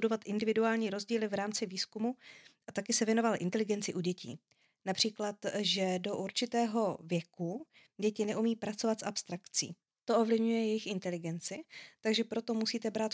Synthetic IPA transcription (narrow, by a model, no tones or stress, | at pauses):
t̪udo̞vat̪ʔɪndɪvɪduaːlɲiːɾo̞zɟiːlɪvɾaːmt͡sɪviːskumuʔat̪akɪsɛvjɛno̞valʔɪnt̪ɛlɪɡɛnt͡sɪʔuɟɛcḭː | napr̝̥iːklat̪ʒɛdo̞ʔuɾt͡ʃɪt̪ɛːɦo̞vjɛku | ɟɛcɪnɛʔumiːpɾat͡so̞vat̪sʔapst̪ɾakt͡sḭː | t̪o̞ʔovlɪvɲujɛjɛjɪxɪnt̪ɛlɪɡɛnt͡sɪt̪aɡʒɛpɾo̞t̪o̞musiːt̪ɛbɾaːt̪